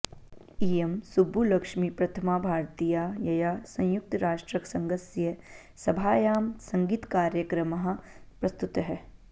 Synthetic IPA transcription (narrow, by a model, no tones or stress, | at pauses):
iːemsubʱːulɐkʃmipɾɐt̪ʰɐmaːbʱaːɾt̪ijajɐjasɐ̃j̃jʊk̚t̪ɾaːʃʈɾɐksɐ̃ŋɡɐsjɐ | sɐbʱaːjaːmsɐ̃ŋɡiːt̪kaːɾjəkɾɐmɐɦɐ̆ | pɾɐst̪ut̪ɦɛː